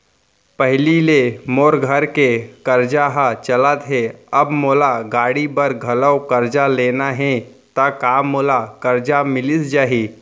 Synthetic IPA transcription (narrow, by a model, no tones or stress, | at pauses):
pəɦlilemoːɾɡʱəɾkekəɾd͡ʒaɦat͡ʃələt̪ɦɛɐbmoːlaɡaːɽibəɾɡʱɐləwkəɾd͡ʒaleːnaɦɛ̃ | t̪akaːmːoːlakəɾd͡ʒamɪlɪsd͡ʒaːɦiː